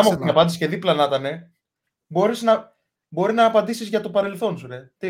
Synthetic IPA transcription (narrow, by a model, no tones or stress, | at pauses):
ɐɐnɐpɐnd̪isceðiplɐnɐt̪ɐne | bo̞ɾiznɐ | bo̞ɾinɐːpɐnd̪isizʝɐt̪opɐɾe̞lθo̞nsuɾet̪i